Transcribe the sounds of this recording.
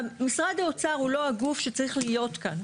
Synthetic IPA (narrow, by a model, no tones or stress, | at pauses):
amisʁadaot͡saʁulo̞aɡufʃe̞t͡saʁiχlijo̞t̪kan